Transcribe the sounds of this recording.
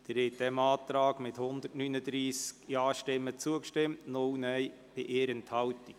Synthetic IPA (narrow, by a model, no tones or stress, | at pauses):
d̪̥əɾɛt̚d̥ɛmɑːt̪ɾɑːɡmɪthʊnd̪ərtnynəd̪ɾiːskjɑːʃtɪmːət͡suəkʃtɪmtnʊwnɛj | b̥ɪʔeːɾənthɑwti